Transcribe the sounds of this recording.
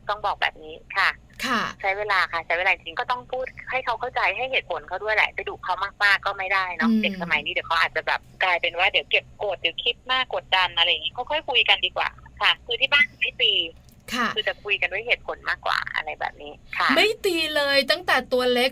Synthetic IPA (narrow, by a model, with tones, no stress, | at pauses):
t̪ɔ˥˩ŋbɔː˨˩k̚bɛ̰ː˨˩p̚niː˦˥kʰa˥˩ | kʰa˩t͡ɕʰa˦˥jweː˧laː˧kʰa˥˩t͡ɕʰa˦jwe˧laː˧˨i˨˩ŋt͡ɕi˧ŋkɔː˥˩t̪ɔ˥˩ŋpʰuː˥˩t̪̚ha˥˩jkʰa˦˥wkʰa˥˩wt͡ɕa˧jɦa˥˩jheː˨˩t̪̚pʰo˩˦nkʰa˧˥˩wdu˥˩əjlɛ̰˧˩pa˧˩jduː˨˩kʰːa˦˥wmaː˥˩k̚maː˥˩kːɔː˥˩ma˥˩jdaː˥˩jnɔ˦de˨˩k̚sa˧ma˨˦jniː˦˥di˩˦wkʰa˦˥ʔaː˨˩t̪̚t͡ɕa˨˩bɛ̰ː˨˩p̚klaː˧jpe˧nwaː˥˩di˨˦wke˨˩p̚ko˨˩t̪̚di˨˩˦wkʰi˦˥t̪̚maː˥˩kːo˨˩t̪̚da˧nʔa˧ɾa˧jŋi˦˥kʰa˦˥wkʰɔː˥˩jkʰu˧jka˧ndiː˧kwa̰ː˨˩kʰa˥˩kʰɯː˧t̪ʰiː˥˩baː˥˩n˧˩ma˥˩jt̪iː˧ | kʰa˥˩ɯː˧t͡ɕa˨˩kʰu˧jka˧ndu˥˩əjɦeː˨˩t̪̚pʰo˨˩˦nmaː˥˩kːwa̰ː˨˩ʔa̰˧ɾa˧jbɛ̰ː˨˩p̚niː˦˥kʰa˦˥˩ma˥˩jt̪iː˧lɤː˧jt̪a˥˩ŋt̪ɛː˨˩t̪u˧ɐle˦˥k̚